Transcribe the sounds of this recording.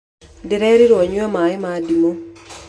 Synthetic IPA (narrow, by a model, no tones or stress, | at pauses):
dɪɾɛɾiɾɔɲamaɪmadimo